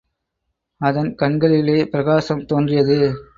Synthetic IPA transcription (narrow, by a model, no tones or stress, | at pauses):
ɐðɐnkɐnɡɐɭɪleːpɪɾɐɣaːsɐmt̪oːndrɪjɐðɯ